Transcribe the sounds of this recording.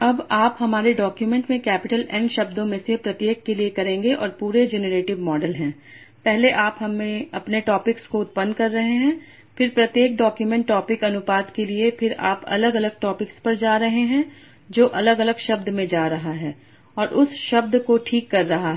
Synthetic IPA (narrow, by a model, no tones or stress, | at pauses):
ɐbaːpɦɐmaːɾeɖɔːkjumɛ̃ɳʈmẽkɛːpɪʈəlɛ̃ɳɖʃɐbd̪õmẽsepɾɐt̪jeːkːeliekɐɾẽːŋɡeʔɔ̰ːɾpuːɾed͡ʒɛnəɾeːʈɪʋmɔːɖəlɦɛ̃ː | pɛɦleʔaːpɦɐmːẽɐpneʈɔːpɪkskoʊt̪̚pənːkɐɾːɐɦeɦɛ̃ː | fɪɾpɾɐt̪jeːk̚ɖɔːkjumɛ̃ɳʈːɔːpɪkɐnʊpaːd̪keliepʰɪɾa̰ːpɐ̰ləɡɐləɡ̚ʈɔːpɪkspɐɾd͡ʒaːɾɐɦeɦɛ̃ | d͡ʒoːʔɐləɡɐləɡʃɐb̚d̪mẽd͡ʒaːɾɐɦaɦɛː | ɔːɾʔʊsʃɐb̚d̪koʈʰiːkːɐɾːɐɦaɦɛː